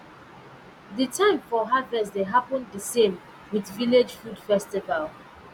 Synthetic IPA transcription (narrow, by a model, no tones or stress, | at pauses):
ðətʰãɪ̃ɱfɔɦavɛsðeɦapə̃ndəsẽm | wiðviled͡ʒfud̥fɛstival